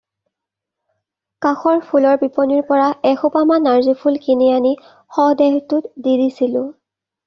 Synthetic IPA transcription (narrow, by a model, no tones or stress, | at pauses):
kaxɔɹpʰulɔɹbipɔniɹpɔɹaɛxupamanaɹzipʰulkiniani | xɔdɛɦtʊtdidisilʊ̃